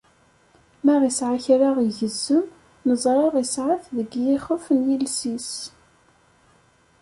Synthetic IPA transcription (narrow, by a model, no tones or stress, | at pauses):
mæʁisʕaçɾaʁiʝəzːəm | nəzˤɾˤɑʁisʕaθðəɡjiχəfənjilsis